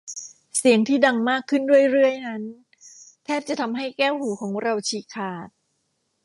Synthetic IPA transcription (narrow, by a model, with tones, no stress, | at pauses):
si˩˦əŋt̪ʰiː˥˩da˧ŋmaː˥˩kʰːɯ˥˩ndu˥˩əjɾɯ˥˩əjna˦˥n | t̪ʰɛː˥˩p̚t͡ɕa˨˩t̪ʰa˧mɦa˥˩jkɛː˥˩whuː˩˦kʰɔː˩˦ŋɾa˧wt͡ɕʰiː˧˩kʰaː˨˩t̪̚